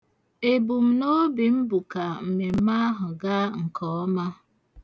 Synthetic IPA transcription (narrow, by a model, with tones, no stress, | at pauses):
e˨bu˨m̩˨no˦bi˨m̩˦bu˨ka˨m̩˨me˨m̩˦ma˦a˦ɦʊ˨ɡa˦ŋ̩˨kʰɔ˨˦ɔ˦ma˦